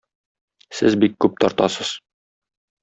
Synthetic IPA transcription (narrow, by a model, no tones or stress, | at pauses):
sɘzbikːʉp̚t̪ɒɾt̪ɑsɤz̥